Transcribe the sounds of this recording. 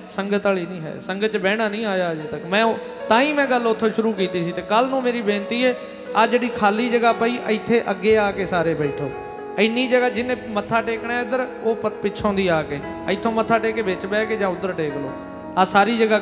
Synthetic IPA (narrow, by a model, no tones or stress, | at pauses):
səŋɡət̪aːliːnĩːɦɛ̰ːsə̃ŋɡət͡ʃbɛːɽ̃aːnĩːaːjaːd͡ʒeːt̪əkmɛ̃ː | t̪ãːĩːmɛ̃ːɡəlʊt̪ʰːoːʃʊɾuːkiːt̪iːsiːt̪eːkəlnũːmeːɾiːbẽːnt̪iːɦɛː | aːd͡ʒeːɗiːkʰaːliːd͡ʒəɡaːpəiːʔəɪt̪ʰːeːʔəɡːeːaːkeːsaːɾeːbɛːʈʰo̰ː | əɪniːd͡ʒəɡaːd͡ʒɪnẽːmət̪ʰːaːʈeːkɳ̃eːʊd̪əɾoːpəpɪt͡ʃʰõːnd̪iːaːkeː | əɪt̪ʰːõːmət̪ʰːaːʈeːkeːbeːt͡ʃbɛːkeːd͡ʒãːʊd̪əɾʈeːklo̰ː | aːsaːɾiːd͡ʒəɡaː